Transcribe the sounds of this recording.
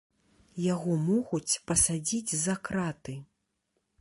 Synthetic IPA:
jaɣɔmɔɣut͡sʲpɐsad͡zʲid͡zʲzɐkɾat̪ɨ

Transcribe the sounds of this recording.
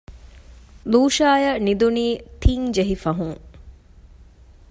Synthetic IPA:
luːʃaːjɐnid̪uniːt̪iŋd͡ʒeɦifɐɦuŋ

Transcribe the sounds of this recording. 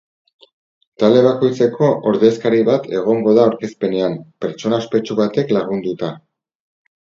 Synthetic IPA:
t̪ald̪e̞β̞ako̞jt͡se̞kʰo̞ʔoɾðeskaɾiβat̪ʰe̞ɣ̞o̞ŋɡo̞ðaoɾke̞spe̞ne̞ampe̞ɾt͡ʃo̞naspe̞t͡ʃuβat̪e̞klaɣ̞und̪ut̪a

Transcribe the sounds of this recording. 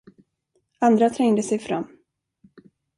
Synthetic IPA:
and̪ɾat̪ʰɾɛŋd̪əsɛjfɾa̰mː

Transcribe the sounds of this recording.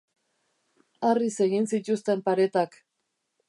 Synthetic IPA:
arise̞ɣinsit̪ust̪e̞mpaɾe̞t̪ak

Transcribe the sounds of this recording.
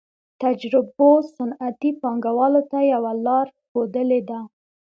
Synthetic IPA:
t̪ad͡ʒɾɪbosanat̪ipɑŋɡawɑlot̪ajawalɑɾxod̪əled̪a

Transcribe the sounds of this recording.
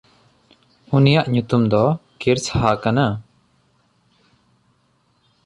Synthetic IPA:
unijaʔɲut̪umd̪ɔkiɾshakana

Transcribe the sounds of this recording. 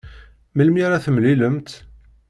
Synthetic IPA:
məlmiɾaθəmliləmt̪

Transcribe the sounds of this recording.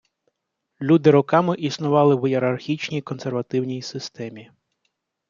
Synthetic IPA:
lʲud̪ɪɾɔkɑmɪʔisnʊʋɑlˠɪwjeɾɐrxʲit͡ʃnʲijkɔnserʋɐt̪ɪwnʲijsɪst̪ɛmʲi

